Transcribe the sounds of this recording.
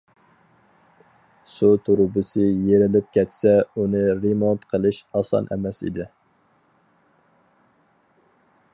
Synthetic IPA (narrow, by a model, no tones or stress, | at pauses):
sut̪ʰuɾʊbɨsɨjeɾɪlɪp̚kʲʰɛt̪sɛunɨɾemont̪qʰəlˠɨʃɑsɑ̰nʔɛ̰mɛsḭd̪ɪ